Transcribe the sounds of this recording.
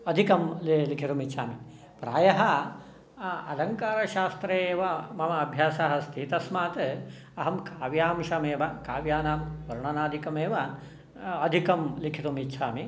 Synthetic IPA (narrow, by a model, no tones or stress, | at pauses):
ɐd̪ʱikɐmllikʰiɾumitːʃʰaːmi | pɾaːjɐɦɐ | ɐlɐŋkaːɾɐʃaːst̪ɾeːʋɐmɐmɐɐbʱjaːsaɦɐst̪ʰit̪ɐsmaːt̪ | ɐɦɐmkaːʋjaːmʃɐmeːʋɐkaːʋjaːnaːmʋɐɾɳɐnaːd̪ʱikɐmeːʋɐ | ɐd̪ʱikɐmlikʰiɾumitːʃʰaːmi